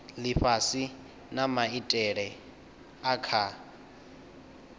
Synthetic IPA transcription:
lɪɸasi | namaitʼɛɺɛ | akʰa

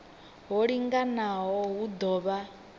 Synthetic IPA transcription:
ɦɔɺiŋɡanaɦɔɦud̪ɔːβa

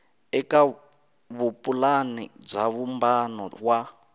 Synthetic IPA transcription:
ɛka | βupʼulanḭb͡ʐaβumbanɔ̰βwa

